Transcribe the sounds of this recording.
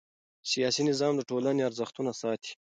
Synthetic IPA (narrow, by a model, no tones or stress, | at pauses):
sijɑsinɪzɑmd̪əʈolaneaɾzəxt̪unasɑːt̪ʰi̥